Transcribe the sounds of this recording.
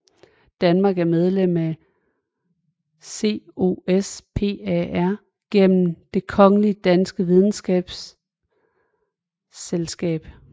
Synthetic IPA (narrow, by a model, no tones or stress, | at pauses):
d̥ænmɑ̈ːɡ̥æɐmeð̞ˠlem̰æ | se̝̰ːo̝espʰe̝̰ːææɐ̰ | ɡ̥en̰m̩d̥e̝kʰɒ̽ŋəlid̥ænsɡ̥əʋið̞ˠn̩sɡ̥ɛ̰ːb̥s | elsɡ̥ɛ̰ːb̥